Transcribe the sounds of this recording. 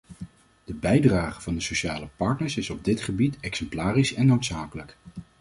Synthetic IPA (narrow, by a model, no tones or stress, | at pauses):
d̥əbɛjdraːχəv̥ɑndəsoʃaːləpɑɹtnəɹsɪsɔb̚dɪtχəbitɛksɛmplaːrisɛnːowtsaːkələk